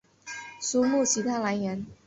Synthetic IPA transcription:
su˧˥mu˥˩t͡ɕʰi˧˥t̪ʰa˥la˧˥ɪjɛ˧˥n

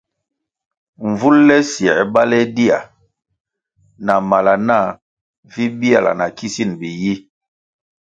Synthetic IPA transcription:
ɱ˨vu˦lːɛ˦si˨ɛ˨˦ba˦lɛ˦di˦a̰˨ | na˨ma˨la˨na˦˨ | vi˦bi˦a˨la̰˨na˨ki˦si˦˨nbi˨ji˦

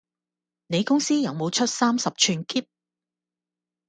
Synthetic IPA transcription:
ne˨˧jkʊ˥ŋsiː˥jɐ˨wmo˨˧wt͡ʃʰɵ˥t̚saː˥msɐ˨p̚t͡ʃʰyː˧nkiː˥p̚

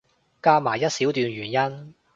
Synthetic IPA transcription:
kaː˥maː˨˩jɐ˥t̚siː˨˥wt̪yː˧nɥyː˨˩njɐ˥n

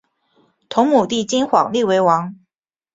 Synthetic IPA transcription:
t̪ʰo˧˥ŋmu˨˩t̪i˥˩t͡ɕi˥nxwɑ˨˩ŋli˥˨we˧˥ɪwɑ˧˥ŋ

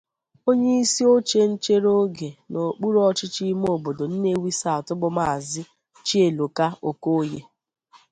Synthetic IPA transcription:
o˦ɲe˦i˦si˦o˦t͡ʃe˦n̩˦t͡ʃe˦ɾo˦ɡe˨no˨k͡pu˦ɾɔ˦˨t͡ʃɪ˦t͡ʃi˦m˦o˦˨bo˨do˨n̩˦ne˦wi˦sa˦˨a˨tʊ˦bʊ˦ma˨a˨zɪ˦ | t͡ʃi˦e˨lo˨ka˦o˨ko˦je˦

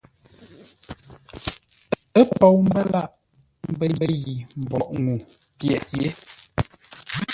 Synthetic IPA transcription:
ə˦pɔ˨wm̩˦bə˦la˦ʔ | m̩˦bə˦mbə˦ɣi˨m̩˨bɔ˨ʔŋu˨ | pjɛ̰˨ʔje˨˦

